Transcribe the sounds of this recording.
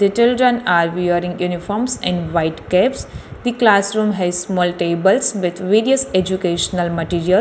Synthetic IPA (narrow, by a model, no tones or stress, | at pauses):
d̪it͡ʃɪlɖɾə̃naːɾʋioɾɪ̃ŋjuːnifɔːɾmsɛ̰̃ɳɖʋaɪʈkɛpsd̪iklaːsɾũːmɦɛzsmɔːlʈeːbəlsʋɪd̪ʰʋeːɾiəsed͡ʒukeːʃənəlmɐʈiːɾiəl